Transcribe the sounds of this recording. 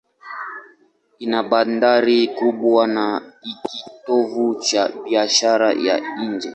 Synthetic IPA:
inaɓandaɾikuɓwanaikitɔvut͡ʃaɓiaʃaɾaja̰iɲd͡ʒɛ

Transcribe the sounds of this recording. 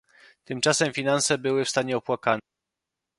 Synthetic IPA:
t̪ɘmt͡ʂasɛmfʲinansɛbɘwɘfst̪aɲɛɔpwakan

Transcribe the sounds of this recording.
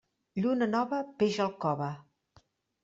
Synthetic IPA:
ʎunənɔβəpeʒəlˠkɔβə

